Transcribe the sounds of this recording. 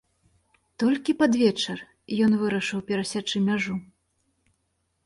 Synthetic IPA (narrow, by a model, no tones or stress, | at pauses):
t̪ɔlʲkʲipad̪vʲɛt͡ʂɨr | jɔnvɨɾɐʂɨwpʲɛɾasʲat͡ʂɨmʲaʐu